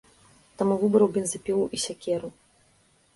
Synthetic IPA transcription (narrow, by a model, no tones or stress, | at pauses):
t̪amuvɨbɾɐwbʲɛnzɨpʲilˠuʔisʲakʲɛɾu